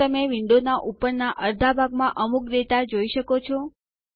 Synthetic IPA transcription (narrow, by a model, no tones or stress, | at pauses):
əmeʋɪɳɖonaʔupəɾnaʔəɾd̪ʱabʱaɡmãʔəmukɾet̪ad͡ʒoiʃəkot͡ʃʰɔ